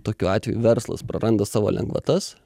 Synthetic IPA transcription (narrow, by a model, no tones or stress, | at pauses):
t̪oːkʲuɑːt̪ʲʋʲɛjuʋʲɛɾslˠɐ̰spɾɐɾʔɐnd̪ɐsɑːʋo̰ːlʲɛ̰ŋɡʋɐ̰t̪ɐs